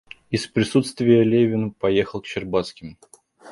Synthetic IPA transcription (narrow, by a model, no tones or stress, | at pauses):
ɪspɾʲɪsut̪st̪vʲɪjəlʲevʲɪnpɐjexəlˠkɕɪrbat̪skʲɪmʊ